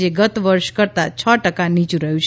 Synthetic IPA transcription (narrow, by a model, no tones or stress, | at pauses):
eɡət̪ʋəɾʃkəɾt̪at͡ʃʰəʈəkanit͡ʃũɾəɦjũt͡ʃʰ